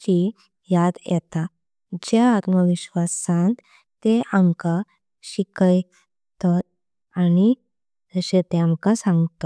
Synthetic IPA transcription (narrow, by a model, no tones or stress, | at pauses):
t͡ɕi | jad̪jɛ̰t̪a | d͡ʑaːt̪məʋiɕʋasãnt̪ | t̪eamka | ɕikəj | t̪at̪̚ | añi | d͡zəɕet̪eamkasãŋɡt̪ɔ